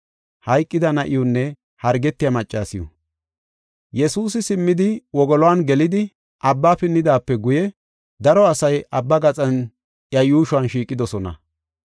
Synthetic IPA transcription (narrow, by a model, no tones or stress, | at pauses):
hɐjkʼːɪd̪ɐnɐʔɪjʊnːɛ | hɐɾɡɛt̪ːɪjamɐt͡ʃʼːaːsɪjɔ̰ | jɛsuːs̬ɪsɪmːɪd̪ɪwɔɡɔlɔwanɡɛlɪd̪ɪ | ʔɐbːaːpɪnːɪd̪aːpːɛɡʊjɛ | d̪ɐɾɔɐsɐjɐbːɐɡɐt͡sʼɐn | ʔjɐjuːʃʊɐnʃiːkʼːɪd̪ɔsɔnɐ̰